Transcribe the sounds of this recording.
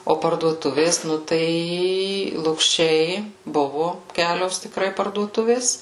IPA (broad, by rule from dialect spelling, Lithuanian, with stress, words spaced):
oː pɐrduɔˈtʊʋʲeːs ˈnʊ ˈtɐɪ lˠʊkˈʃʲɛɪ ˈbʊʋʊ ˈkʲæːlʲoːs tʲɪkˈrɐɪ pɐrduɔˈtʊʋʲeːs